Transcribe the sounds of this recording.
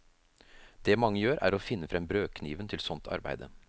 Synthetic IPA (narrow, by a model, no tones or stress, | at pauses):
d̪̥ɛmɑŋːəjøːɾʔæ̰ːɾɔfɪnːəfɾɛmbɾøːkʰniːʋənt̪ʰɪlsɔnt̪ʰɑ̰ɾbæ̰ɪd̪ə̰